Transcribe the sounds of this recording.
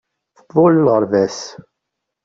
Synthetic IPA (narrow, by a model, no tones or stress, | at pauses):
θəbːʊləlʁəɾˤvæs